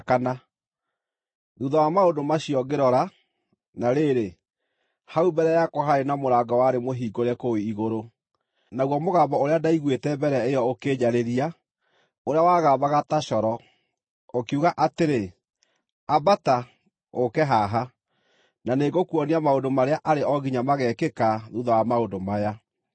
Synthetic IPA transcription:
kana | ðuðawamaondomaɕiɔɡeɾɔɾa | naɾeɾe | haubɛɾɛjakɔɦaenamoɾaːɡɔwaɾemoɦiːɡoɾɛkoiiɣoɾo | naɣwɔmoɣaːbɔoɾeadaiɣwetɛbɛɾɛejɔokeːɲaɾeɾia | oɾeawaːɣaːbaɣataɕɔɾɔ | okuɣaʔateɾe | abata | okɛɦaɦa | naneɡokuɔniamaondomaɾeaʔaɾeʔɔɣiɲamaɣɛkekaðuðawamaodomaja

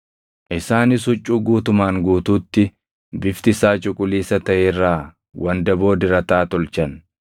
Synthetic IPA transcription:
ʔɪsaːnɪs̬hʊt͡ʃʼːuːɡuːt̪ʊmaːŋɡuːt̪uːt̪ːɪ | bɪft̪ɪsaːt͡ʃʼʊkʼʊliːsɐt̪ɐʔerːaː | wʔɐnd̪ɐbo̞ːd̪ɪɾɐt̪aːt̪ɔlt͡ʃɐn

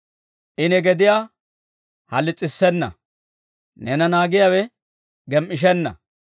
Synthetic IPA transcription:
ʔɪnɛɡɛd̪ɪjaː | hɐlːɪt͡sʼːɪsːɛnːɐ̰ | nɛnɐnaːɡɪjaːwɛ | ɡɛmʔɪʃ̬ɛnːɐ̰

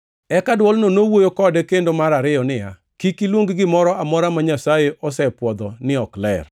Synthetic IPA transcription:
ɛkadwɔlnonowojokɔdɛkendomaɾaɾɪjɔnɪja | kikilwoŋɡɡɪmɔɾɔamɔɾamaɲasajeʔɔsɛpwɔd̪ɔnɪɔklɛ̰r

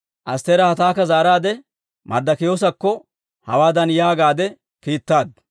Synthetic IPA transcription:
ʔɐst̪eːɾɐhɐt̪aːkːɐzaːɾaːd̪ɛ | mɐ̰ɾd̪ɐkɪjoːs̬ɐkːɔ | hɐ̰waːd̪ɐnjaːɡaːd̪ɛ | kiːt̪ːaːd̪

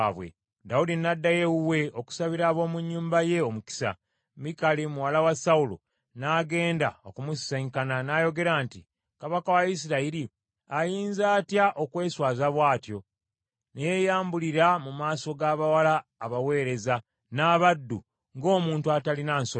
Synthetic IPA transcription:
βwḛ | daudinːadːajewuwe̞o̞ku̥saβiɾaːβo̞ːmuɲːuːmbaje̞o̞muki̥sa̰ | mikalimuwalawasaulo̰ | naːɡe̞ːndao̞kumusi̥saɲkananaːjo̞ɡe̞ɾaːnti | kaβakawais̬iɾaiɾi | ajiːnzaːtjaʔo̞kwe̞ːswaːzaβwaːtjo̞ | nejejaːmbuliɾamumaːso̞ɡaːβawalaːβawe̞ːɾe̞za | naːβadːu | ŋɡo̞ːmuːntuatalinaːnso

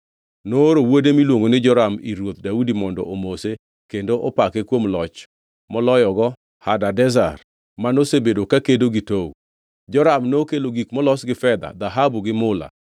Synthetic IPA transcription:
noɾowodemilwoŋɡonɪd͡ʒɔɾamḭɾwot̪̚daudimɔndɔ̰ʔomose | kendoʔɔpakekwomlɔt͡ʃ | mɔlɔjɔɡɔ | hadadɛzar | manosebedokakedoɡitow | d͡ʒɔɾamnokeloɡikmɔlɔsɡɪfɛd̪a̰d̪aɦabuɡɪmʊla̰

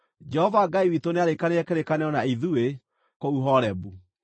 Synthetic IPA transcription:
d͡ʒɛɦɔvaɡaiwitoneaɾekaneɛkeɾekaneɔnaiðue | kouɦɔɾɛbu

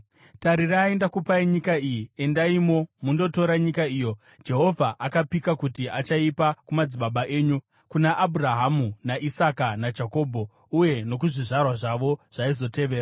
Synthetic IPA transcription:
taɾiraːendakupaiɲikaijie̞ndaimo̞mundo̞to̞ɾaɲikaiːjo̞ | d͡ʒe̞ɦo̞vʱaʔakapikakutiʔat͡ʃaipakumad͡ziɓaɓaʔe̞ːɲu | kunaʔːbʱuraɦamunaʔisakanad͡ʒako̞ːbʱo̞ | uje̞no̞k̬uʐiʐarwaʐaʋo̞ʐ̥aizo̞te̞ʋe̞ːra

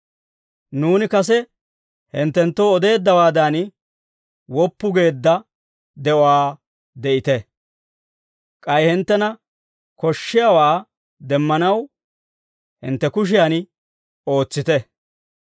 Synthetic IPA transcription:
nuːnɪkɐsɛ | hɪnt̪ːɛnt̪ːoɔd̪e̞ːd̪ːɐwaːd̪an | wɔpːʊɡe̞ːd̪ːɐ | d̪ɛʔɔwaː | d̪ɛʔɪt̪ɛ | kʼɐjhɪnt̪ːɛnɐ | kɔʃːɪjawaː | d̪ɛmːɐnɐw | hɪ̰nt̪ːɛkʊʃ̬ɪjan | o̞ːt͡sːɪt̪ɛ

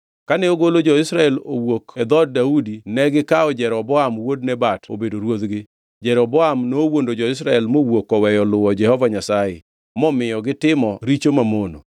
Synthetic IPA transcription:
kanɛoɡolod͡ʒɔɪsɾaɛlo̰wokɛd̪ɔd̚daudinɛɡɪkaɔd͡ʒɛɾɔbɔamwodnɛbato̰bedoɾwod̪ɡɪ | d͡ʒɛɾɔbɔamnoːwondod͡ʒɔɪs̬ɾaɛlmowokɔwɛjɔlʊwɔd͡ʒɛhɔvaɲasajḛ | mɔmɪjɔɡɪtɪmɔɾit͡ʃomamono̰

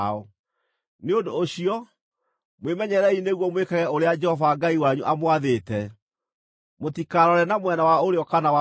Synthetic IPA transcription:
ɔ | neodooɕiɔ | mwemɛɲɛɾɛineɣwɔmwekaɣɛoɾead͡ʒɛhɔvaːɡaiwaɲuʔamwaðetɛ | motikaɾɔɾɛnamwɛnawaoɾeɔkanawa

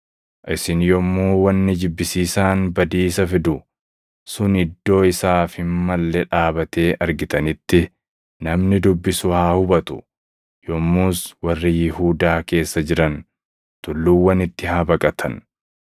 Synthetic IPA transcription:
ʔɪsɪnjɔmːuːwɐnːɪd͡ʒɪbːɪsiːsaːnbɐd̪iːsɐfɪd̪ʊ | sʊnɪd̪ːo̞ːɪsaːfɪnmɐlːɛᶑaːbɐt̪e̞ːʔɐɾɡɪt̪ɐnɪt̪ːɪ | nɐmnɪd̪ʊbːɪsʊhaːhʊbɐt̪ʊ̥̰ | jɔmːuːswɐrːɪjɪhuːd̪aːke̞ːsːɐd͡ʒɪɾɐn | t̪ʊlːuwːɐnɪt̪ːɪhaːbɐkʼɐt̪ʰɐn

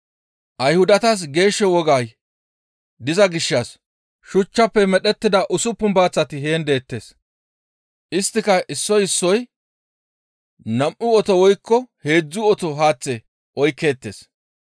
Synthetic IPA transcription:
ʔɐjhʊd̪ɐt̪ɐs̬ɡe̞ːʃːɛwɔɡaːj | d̪ɪzɐɡɪʃːɐs | ʃʊt͡ʃːɐpːɛmɛɗɛt̪ːɪd̪ɐʔʊsʊpːʊmbaːt͡sːɐt̪ɪɦe̞ːnd̪e̞ːt̪ːe̞ːs | ʔɪst̪ːɪkɐʔɪsːɔjɪsːɔj | nɐmʔʊɔt̪ɔwɔjkːɔhe̞ːd͡zːʊɔt̪ɔɦaːt͡sːɛ | ʔɔjkːe̞ːt̪ːeːs

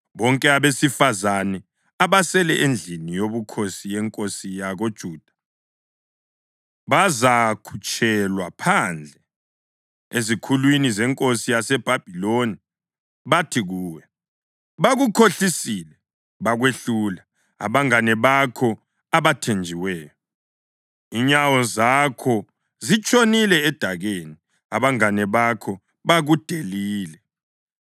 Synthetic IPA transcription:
βɔŋkʼɛaβesifazanɛ | aβasɛlɛʔend͡ɮʱinijoβukʰosijɛŋkʼosijaɣod̥ʒ̥ʱuːd̥ʱa | βazakʰu̥t͡ʃʼʰɛlwapʰand͡ɮʱɛ | ezikʰulwinizɛŋkʼosijasɛb̥ʱab̥ʱiloni | βatʰiɣuːwɛ | βaɣukʰoɬisiːlɛ | βaɣweɬula | a̰βaŋanɛβakʰɔ | aβatʰend͡ʒʱiwɛːjɔ | iɲawɔzakʰɔ | zit͡ʃʼonilɛːd̥ʱaɣeni | aβaŋanɛβakʰɔ | βaɣud̥ʱeliːlɛ

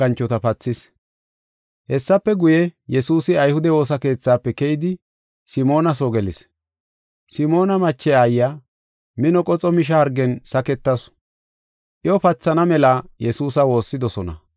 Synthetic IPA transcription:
ɐnt͡ʃːɔt̪ɐpɐt͡sːɪs | hɛsːɐpːɛɡʊjɛjɛsuːsɪɐjhʊd̪ɛwo̞ːs̬ɐke̞ːt͡sːaːpːɛkɛjɪd̪ɪ | sɪmo̞ːnɐs̬oɡɛlɪs | sɪmo̞ːnɐmɐt͡ʃːɛaːjːaː | mɪnɔkʼɔt͡sʼɔmɪʃ̬ɐhɐɾɡɛnsɐkɛt̪ːɐs | ʔɪɔpɐt͡sːɐnɐmɛlaːjɛsuːsɐwo̞ːsːɪd̪ɔsɔnɐ̰

